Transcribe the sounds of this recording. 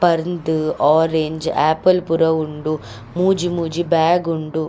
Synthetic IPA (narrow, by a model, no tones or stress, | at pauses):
pɐɾnd̪ɯaːɾeɲd͡ʒaːpɐlpuɾɐuɳɖu | muːd͡ʒimuːd͡ʒibaːɡuɳɖu